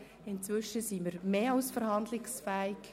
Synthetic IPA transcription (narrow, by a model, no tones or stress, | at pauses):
ɪnt͡sʋʏʃəsiməɾmeːɑʊsfəɾɦɑnd̪lɪksfæːɪk